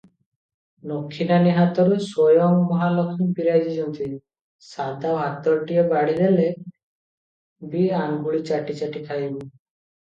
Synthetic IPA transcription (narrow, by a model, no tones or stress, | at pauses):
nokʰːinaniɦat̪ɔɾusojɔŋmɔɦalɔkʰiŋpiɾad͡ʒid͡ʒɔnt̪i | sad̪aɦat̪ɔɾʈiebaɽid̪ele | biaŋɡuɭit͡ʃaʈit͡ʃaʈik̪ʰajbɔ